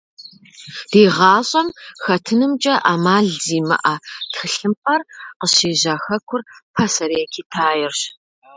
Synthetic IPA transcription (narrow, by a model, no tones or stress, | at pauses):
d̥iːʁɑːɕʼɐmxɐtʰɨnɨmt͡ʃʼɐʔaːmaːɮziːmɐ̰ʔatxɨɬɨmpɐrqəɕeːʑaːxɐkʷʰʊrpʰɐsɐɾeːkʲʰiːtʰaːjɛrɕ